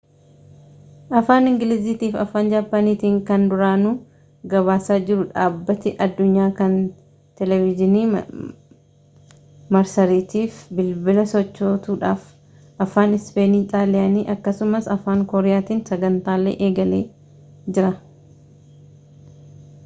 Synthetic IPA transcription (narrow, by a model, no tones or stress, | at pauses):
ʔɐfaːnɪŋɡɪlɪziːt̪iːfɐ̰faːnd͡ʒaːpːaniːt̪iːŋkɐnd̪ʊɾaːnʊ | ɡɐβaːsaːd͡ʒɪɾʊᶑaːbːɐt̪ɪʔɐd̪ːʊɲːaːkɐn | t̪ɛlɛvɪd͡ʒɪniː | mɐɾsɐɾiːt̪iːfbɪlbɪlɐsɔt͡ʃːoːt̪uːᶑa̰ːf | ʔɐfaːnɪspe̞ːniːt̪aːlɪjaːniːʔɐkːɐsʊmɐsɐfaːŋkoːɾɪjaːt̪iːnsɐɡɐnt̪aːlːḛːʔeːɡɐlḛː | d͡ʒɪɾɐ